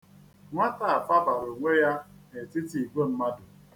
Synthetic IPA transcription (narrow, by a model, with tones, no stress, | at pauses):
ŋʷa˦ta˦˨a˨fa˦ba˨ɾo˨ŋʷe˦ja˦ne˨tɪ˦ti˨ɡ͡bo˦m̩˦ma˦dʊ˨